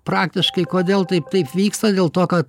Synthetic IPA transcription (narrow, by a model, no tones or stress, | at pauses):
pɾɑːkt̪ʲɪʃkɐɪkoːd̪ʲeːlˠt̪ɐɪpt̪ɐɪpʋʲiːkst̪ɐd̪ʲeːlˠt̪oːkɐt̪